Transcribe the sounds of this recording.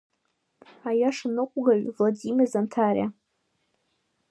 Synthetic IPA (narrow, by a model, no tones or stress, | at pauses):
ajaʂanɨkʷʼɡaɥvladimʲɪrzantʰaɾ̰ʲa